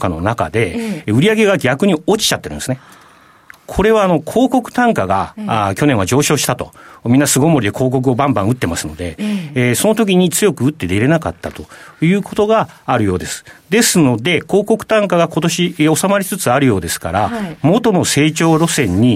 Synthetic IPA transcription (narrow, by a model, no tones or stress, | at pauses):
kano̞̰naka̰d̪e̞ɯ̟ɾʲiaɡe̞ɡaɡʲakɯ̟ɲ̟io̞t͡ɕi̥t͡ɕat̪ːeɾɯ̟̃nesɨne | kʰo̞ɾe̞βaːno̞kʰo̞ːko̞kɯ̟̥t̪ãŋkaɡa̰kʲo̞nẽβad͡ʑo̞ːɕo̞ːɕi̥t̪at̪o̞̰mʲĩnːasɨɡo̞mo̞ɾʲid̪e̞kʰo̞ːk̬o̞k̬ɯ̟o̞bãmbãɰ̃ɯ̟t̪ːe̞masɨno̞d̪e̞̰so̞no̞t̪o̞k̬ʲiɲ̟it͡sɨjo̞kɯ̟ɯ̟t̪ːe̞d̪e̞ɾe̞nakat̪ːat̪o̞jɯ̟ːko̞t̪o̞ɡaːɾɯ̟jo̞ːd̪e̞sɨ̥d̪e̞sɨno̞d̪e̞ko̞ːko̞kɯ̟̥t̪ãŋkaɡako̞t̪o̞ɕio̞samaɾʲit͡sɨt͡sɨaɾɯjo̞ːd̪e̞sɨ̥ka̰ɾamo̞t̪o̞no̞se̞ːt͡ɕo̞ːɾo̞sẽ̞ɲ̟ːi